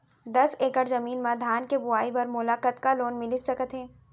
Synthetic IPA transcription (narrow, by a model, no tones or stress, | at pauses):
d̪ɐseːkəɾzɐmiːnmãd̪ʱaːnkebʊaːibɐɾmʊlaːkət̪kaloːnmɪlisɐkət̪ɦẽː